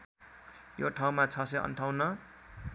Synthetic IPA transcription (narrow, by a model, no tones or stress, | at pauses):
joʈʰaw̃mat͡sʰʌseʌ̰nʈʰaw̃nʌ